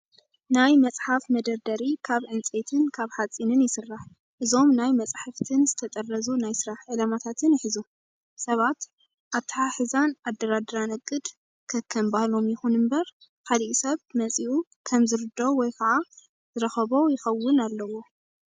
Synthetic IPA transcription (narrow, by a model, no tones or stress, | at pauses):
najmɐt͡sʼħafmɐd̪ɐɾd̪ɐɾikʰaβʕɨnt͡sʼet̪ʰɨnkʰaβħat͡sʼːinɨnjɪsɨrːaħ | ʔɨzo̞mnajmɐt͡sʼħaft̪ʰɨnzɨt̪ʰɐt̪ʼɐrːɐzunajsɨɾaħʕɨlamat̪ʰat̪ʰɨnɪħɨzu | sɐβat̪ | ʔat̪ʰːħaħɨzanad̪ːɐɾad̪ɐɾanɐkʼːɨd̪ | kʰɐkʰːɐmbahlo̞mjɪxunɨmbɐɾ | kaliʔisɐβmɐt͡sʼiʔu | kʰɐmzɨɾɨd̪owɔjkʰɐʕa | z̥ɨɾɐxɐβo̞jɪxɐwːʊnalːɐwo̞